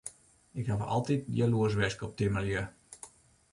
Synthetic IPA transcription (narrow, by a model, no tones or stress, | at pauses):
ɪkhavəʔɔ̰lˠtit̚djəluəs̬ʋɛskəɔp̚timəljə